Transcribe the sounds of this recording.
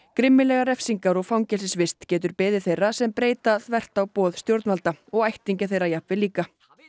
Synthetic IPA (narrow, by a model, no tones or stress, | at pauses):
kɾɪmːɪlɛɣaɾɛfsiŋkaɾɔɣfawŋcɛsɪsvɪst̪cɛːt̪ʏɾpɪːðɪθejrːasɛmpɾeːjt̪aθvɛr̥t̪awpɔːðst̪jowɾt̪nmalt̪aɔɣajht̪iɲcɪθejrajahpvɪliːka